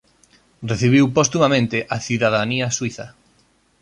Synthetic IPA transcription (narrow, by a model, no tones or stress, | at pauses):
reθiβ̞iwpost̪umamẽnt̪ɪʔaθiðaðaniɐswiθɐ